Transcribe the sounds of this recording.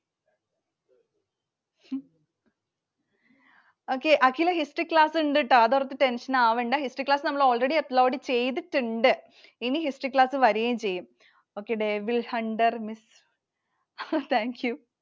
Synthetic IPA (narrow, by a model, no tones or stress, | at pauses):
oːkːeʔɐkːilɐɦisʈriklaːsɳɖɨʈːaðurɐt̪ːɨʈenʂɐnaːʋeɳɖaɦisʈriklaːsɨnɐmːɐɭo̞ːɭreɽiɐt̪ːloːɽit͡ɕe̞jt̪iʈːɨɳɖɨ | inihisʈriklaːsɨʋɐɾuɣejumt͡ɕe̞jːum | oːkːeɽeʋilhɐɳɖɐrmis | t̪ʰaːŋkju